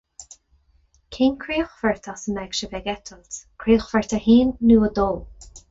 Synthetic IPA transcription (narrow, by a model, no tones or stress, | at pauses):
kʰinkʰɹiːxfəɹt̪ʰɔsənɛɡʃəvɛɡɛt̪ʰəltkʰɾiːəxfəɹt̪ʰəhiːnːuːəd̪oː